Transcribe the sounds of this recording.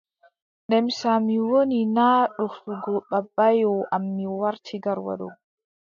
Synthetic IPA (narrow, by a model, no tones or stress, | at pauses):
ɗɛmsamiwɔninaːᶑʊfuɡoɓɐbːajoːʔɐmːiwɐɾt̪ʰɪɡɐɾwɐ̰ɗṵ